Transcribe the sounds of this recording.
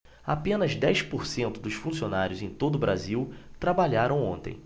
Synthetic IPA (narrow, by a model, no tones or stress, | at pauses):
apẽnɐzd̪ɛjspoɾsẽnt̪ʊd̪ʊsfũsionaɾʲjʊzẽj̃t̪od̪ʊbɾa̰ziwt̪ɾabaʎaɾɐ̃w̃õnt̪ḛ̃j̃